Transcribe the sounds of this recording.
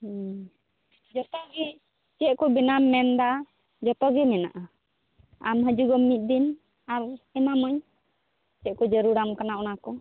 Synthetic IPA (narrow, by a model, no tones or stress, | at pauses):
d͡ʒɔt̪ɔɡi | t͡ʃəʔ̚kɔbinamːɛnd̪a | d͡ʒɔt̪ɔɡimɛna̰ʔa | amɦəd͡ʒuɡɔmːit̪̚ˀd̪in | aɾɛmaməɲ | t͡ʃəʔ̚kɔd͡ʒəɾuɾamkanaʔɔnakɔ